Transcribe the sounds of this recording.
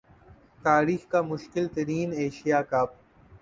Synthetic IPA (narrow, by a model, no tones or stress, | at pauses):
t̪aːɾiːxkaːmʊʃkɪlt̪ɐɾiːneːʃijaːkaːp̚